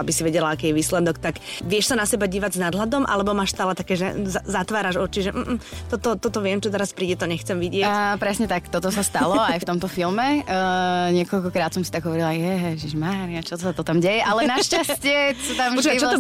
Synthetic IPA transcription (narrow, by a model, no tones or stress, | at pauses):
abisiʋɛɟɛlaakɛːjɛʋiːslɛd̪ɔkt̪akʋɪɛʃsanasɛbaɟiːʋaɟznad̪lad̪ɔmʔa̰lɛbɔmaːʃst̪aːlɛt̪akɛːʒɛ̰azat̪ʋaːɾaʒɔt͡ʃiʒɛʔm̩t̪ɔt̪ɔt̪ɔt̪ɔʋɪɛmt͡ʃɔt̪ɛɾaspɾiːɟɛt̪ɔɲɛxt͡sɛmʋiɟɪɛcpɾɛsɲɛt̪akt̪ɔt̪ɔsast̪alɔajft̪ɔmt̪ɔfilˠmɛ | ɲɪɛkɔlkɔkɾaːt̪sɔmsit̪aɡɦɔʋɔɾilajɛɦɛʒiʒmaːɾiat͡ʃɔt̪ɔsat̪ɔt̪amɟɛjɛʔalɛnaʃcascɪɛt̪amɔt͡ʃat͡ʃɔt̪